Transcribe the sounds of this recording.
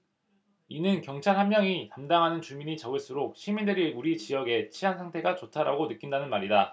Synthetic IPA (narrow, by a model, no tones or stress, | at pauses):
inɯnkjʌŋt͡ɕʰaɭɦanmjʌŋitamdaŋɦanɯnt͡ɕumiɲit͡ɕʌɡɯɭs͈uɾok̚ɕʰimindeɾiɭuɾit͡ɕijʌɡe̞t͡ɕʰiɦansʰaŋtʰe̞ɡat͡ɕotʰaɾaɡonɯk͈indanɯnmaɾida